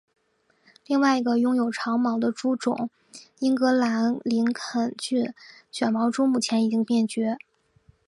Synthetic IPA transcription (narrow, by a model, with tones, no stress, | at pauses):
li˥˧ŋwa˥˩ɪi˧˥ɡə˧jʊ˥ŋjo˨˩ʊʈ͡ʂʰɑ˧˥ŋmɑ˧˥ʊd̪ə˧ʈ͡ʂu˥ʈ͡ʂʊ̰˨˩˦ŋ | i˥ŋkɤ˧˥la˧˥nli˧˥nkʰə˨˩nt͡ɕy˥˩˧ɕɥɛ˨˩nmɑ˧˥ʊʈ͡ʂu˥mu˥˩t͡ɕʰjɛ˧˥ni˨˩t͡ɕi˥ŋpjɛ˥˩nt͡ɕɥɛ˧˥